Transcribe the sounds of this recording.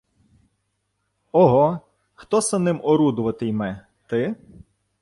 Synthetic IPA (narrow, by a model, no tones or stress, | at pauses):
ɔɦɔ | xt̪ɔsɐnɪmɔɾud̪ʊʋɐt̪ɪjmɛ | t̪ɪ